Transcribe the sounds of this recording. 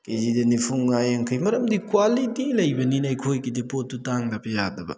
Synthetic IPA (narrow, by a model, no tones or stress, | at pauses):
ked͡ʒid̪enipʰuŋːajɐŋkʰɯjmɐɾɐmd̪ikwalitilɐjbɐninajkʰojkidepotːutaŋdɐpʰijadɐbɐ̰